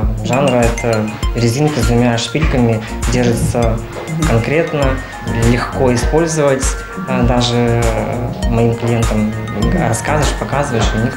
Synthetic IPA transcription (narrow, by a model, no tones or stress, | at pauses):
ʐanɾəɛt̪ʰəɾʲɪzʲinkɨznʲɪmʲaʂpʲilʲkəmʲɪdʲerʐɨt̪sə | kɐnkɾʲe̞t̪nə | lʲɪxko̞ɪspo̞lʲzəvətʲ | d̪aʐɨ | mɐimklʲɪjent̪əm | rɐskazɪʂpɐkazɨvəjɪʂʊnʲik